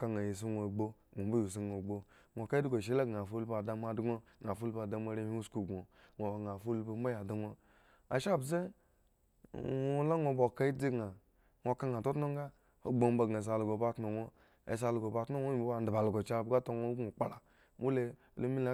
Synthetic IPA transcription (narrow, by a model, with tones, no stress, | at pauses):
ka˨ŋa˨je˨s̬i˦ŋo˨ɡ͡bo˦ŋo˨bu˦ju˨s̬i˦ŋo˨ɡ͡bo˦ | ŋʷo˨ka˦i˦di˦ɡo˨ʃ̬e˦la˦ɡa˨fo˦lpa˨da˧m˦a˨dɡo˦ | ŋa˨fo˦lpa˨da˨m˦a˨ɾe˦hi˦u˦sku˨ɡo˨ŋo˨ɡa˨fo˦lba˨m̩˦ba˦ja˨da˨ŋo˦ | a̰˨ʃa˦˨bze˦ | ŋo˦la˦ŋo˨bo˨ka˦i˦di˦ɡa˨ | ŋʷo˨ka˦ŋ˨a˨to˦tno˦ŋ˦ɡa˦ | o̰˦ɡ͡bo˨m˦ba˨ɡa˨s̬a˨lu˨ɡo˨ba˦tno˨ŋo̰˦˨ | s̬a˨lu˨ɡo˨ba˨tno˦ŋʷo˦i˨˦bba˦˨n˦dba˨lu˨ɡo˨t͡ʃa˦˨bɡa˦to˦ŋo˦o˨k͡pa˦la˨ | mu˦le˦˨ | lo˦mi˦la˦